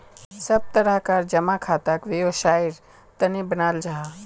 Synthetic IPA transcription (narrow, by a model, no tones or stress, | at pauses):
sɐb̚t̪əɾəɦkaɾd͡ʒɐmakʰaːt̪akʋijoʃaːiɾ | t̪ənibənaːld͡ʒaɦa